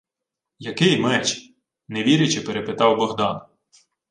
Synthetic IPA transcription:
jɐkɪjmɛt͡ʃ | neʋʲiɾʲɪt͡ʃepeɾepɪt̪ɑwbɔɦd̪ɑn

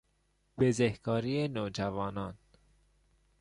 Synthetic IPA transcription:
b̥ezehkɒːɾiːenoːd͡ʒævɒːnɒːn

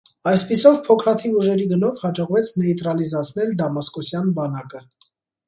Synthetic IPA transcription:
ɑjspisɔvpʰɔkʰɾɑt̪ʰivuʒɛɾiɡənɔvhɑd͡ʒɔʁvɛt͡sʰnɛit̪ɾɑlizɑt͡sʰnɛld̪ɑmɑskɔsjɑnbɑnɑkə

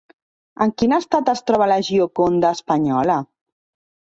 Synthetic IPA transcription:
əŋkinast̪at̪əst̪ɾɔβalaʒiokond̪aːspaɲɔla

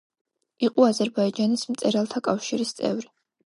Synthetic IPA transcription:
iqʼɔazɛɾbaid͡ʒanismt̪sʼɛɾalˠt̪ʰakʼafʃiɾist̪sʼɛ̰vɾi

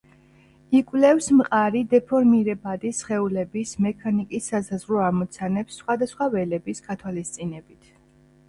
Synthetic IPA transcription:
ikʼwlɛfsmqʼaɾid̪ɛpʰɔɾmiɾɛbad̪isχɛulɛbismɛkʰanikʼisːasazʁɾɔamɔt̪sʰanɛpsːχwad̪asχwavɛlɛbisɡat̪ʰwalist̪sʼinɛbit̪ʰ

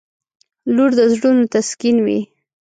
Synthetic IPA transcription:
luɾd̪əzɽunot̪askinwḭ

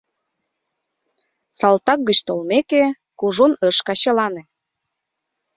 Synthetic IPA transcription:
sɑlt̪ɑk̚ɡət͡ɕt̪olmeke | kuʒonəʃkɑɕelɑnĕ

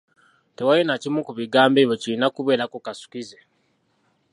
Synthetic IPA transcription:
te̞wajenacimukuβiɡaːmbe̞ːβjo̞cilinakuβe̞ːɾakukasu̥kize

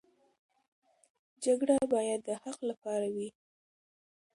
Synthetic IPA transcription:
d͡ʒaɡɽabɑjad̪ːəhaqlapɑɾawi

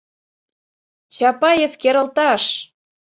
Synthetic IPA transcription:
t͡ɕɑpɑjefkeɾə̆lt̪ɑʃ

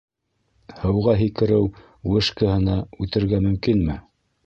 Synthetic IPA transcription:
hɤ̆wʁɑɦikɘ̆ɾɘw | wɘ̆ʃkɤ̆hɤ̆nɑʉt̪ɘ̆ɾɡæmɵ̆mkinmɘ

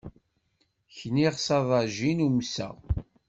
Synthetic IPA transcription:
çniʁsɑðˤɑʒinumsæ̰ʁ

